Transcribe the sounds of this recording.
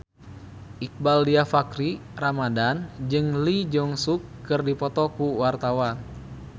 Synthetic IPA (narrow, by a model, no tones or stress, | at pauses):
ʔik̚baldiafakɾiramadand͡ʒɨŋlid͡ʒɔŋsukːɨrdipɔt̪ɔkuwart̪awan